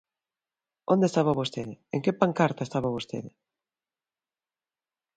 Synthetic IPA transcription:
ond̪est̪aβaβost̪eðɪeŋkepaŋkaɾt̪aest̪aβaβost̪ḛðɪ

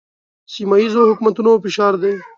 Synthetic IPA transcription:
simaizohʊkmat̪unofɪʃɑːɾd̪e

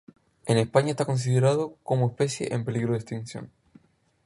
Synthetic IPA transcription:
enespaɲaest̪ako̞ns̬iðe̞ɾaðokomoespe̞sjḛʔempe̞liɣɾoðest̪insjo̰n

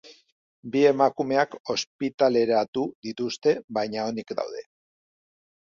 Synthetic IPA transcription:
bie̞makume̞ako̞spit̪ale̞ɾat̪uðit̪ust̪e̞βajɲao̞nikd̪a̰wðe̞

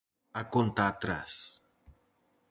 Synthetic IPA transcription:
akont̪at̪ɾa̰s

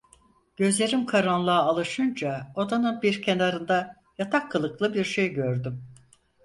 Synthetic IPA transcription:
ɟ̥ø̞zlʲe̞ɾimkʰaɾanlˠaːlˠɯʃɯnd͡ʒaod̪anɯnbiɾcʰe̞naɾɯnd̪a | jat̪ʰakʰːɯlˠɯklˠɯbiɾʃejɟø̞ɾd̪ym

